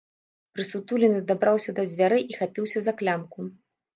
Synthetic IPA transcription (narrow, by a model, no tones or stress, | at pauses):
pɾɨsut̪ulʲinɨd̪abɾawsʲɐd̪ɐzʲvʲaɾɨʔixapʲiwsʲɐzɐklʲamku